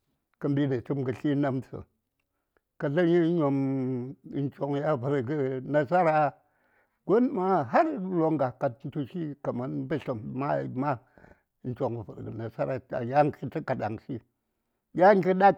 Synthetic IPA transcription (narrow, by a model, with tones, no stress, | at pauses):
kɐ˨˧mbʲi˦dɐ˨t͡ʃi˦mɡɨ˨ɬʲi˦na˦mtə̰˨ | kɐ˨˧ɮɐ˦ɲi˦ɲo˧m˦ | n̩˦t͡ʃo˧ŋ˨˦ja˦˨fɨ˨ɾɡɨ˦na˦sa˦ɾa˦ | ɡo˦n˦ma˦˨ɦa˦ɾlo˦ŋɡa˨ka˨t̚n̩˦tu˦˧ʃi˦kɐ˨ma˨nbɐ˦ɬo˨m˨ma˦˨ma˦ | n̩˦t͡ʃʲo˨ŋ˨fɨ˨ɾɡɨ˨na˨sa˦ɾa˨a̰˨ja˦ŋ˦kʰi˦tɨ˦ka˨da˨ŋsi˦ | jʲa˦ŋ˦kʲi˦ɗa˦